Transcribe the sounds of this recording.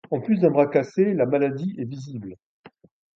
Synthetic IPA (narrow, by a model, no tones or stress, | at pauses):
ɑ̃plys̬d̪ɛ̃bʁakaselamalad̪iʔɛvizibl